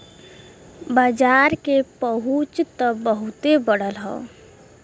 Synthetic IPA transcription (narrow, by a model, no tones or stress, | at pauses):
bad͡ʒaːɾkepəɦut͡ʃt̪əbəɦut̪ebəɽəlɦɔ̰ː